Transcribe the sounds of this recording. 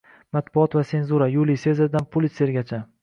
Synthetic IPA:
mat̪bʊɒt̪vase̞nzuɾajulise̞zɪɾd̪anpʰʊlˠɪse̞ɾɡʲat͡ʃʰa

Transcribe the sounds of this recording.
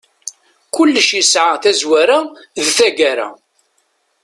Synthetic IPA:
kʊlːʃisʕaθæzwæɾaðθæɡæɾa̰

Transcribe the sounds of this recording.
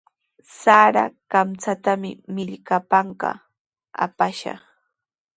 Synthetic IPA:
saɾakamt͡sat̪amɪ̰mɪʎkapaɴɢɑ̰ | a̰paʃɑ̰χ

